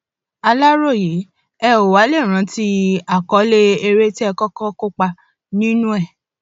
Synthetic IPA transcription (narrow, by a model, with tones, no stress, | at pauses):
a˧la˦ɾo˦˨je˨˦ | ɛ˦˧o˨wa˨˦le˦˨ɾ̃ã˨˦ti˦a˨kɔ˨˦le˦e˧ɾe˦ti˦ɛ˧kɔ˦kɔ˦ko˦k͡pa˧ | nĩ˦nũ˦ɛ˦˨